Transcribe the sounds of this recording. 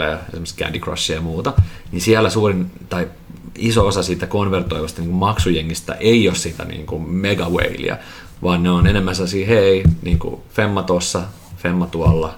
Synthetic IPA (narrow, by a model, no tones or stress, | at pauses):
æ̰jɑḛsimskæ̰ndikro̰sːijɑmuːt̪ɑnisiælːˑæsuːrint̪ɑi | isoosɑsiːt̪ækonʋert̪oiʋɑst̪ɑniːŋkumɑksujeŋːist̪æ̰ʔeiossiːt̪æ̰nḭːŋkummeɡɑwḛilḭæ̰ | ʋɑːnneonenemːænselːɑsiːheiniːŋkṵfemːɑt̪osːɑ | femːɑt̪uɑlːɑ